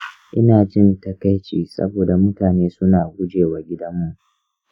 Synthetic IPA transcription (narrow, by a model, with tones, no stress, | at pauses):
ʔɪ˦naː˨d͡ʒɪ˦˨ntɐ˦ka˦jt͡ʃiː˨sɐ̰˦boː˨da˨mʊ˦taː˨neː˦sʊ˦naː˨ɡʷʊ˦d͡ʒeː˨waː˨ɡʲɪ˦dɐ˦mːu˦ʔ